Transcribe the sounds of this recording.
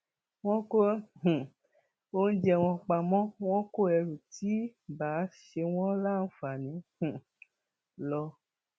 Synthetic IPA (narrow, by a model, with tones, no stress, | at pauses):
w̃ɔ̃˦ko˦h̩˨ | o˦n̩˦d͡ʒɛ˧˨w̃ɔ̃˧k͡pa˨mɔ̃˦w̃ɔ̃˦ko˦˨ɛ˧ɾu˨ti˨˦baː˨˦ʃe˧w̃ɔ̃˦la˦˨n̩˨˦fa˨nĩ˨˦h̩˨ | lɔ˧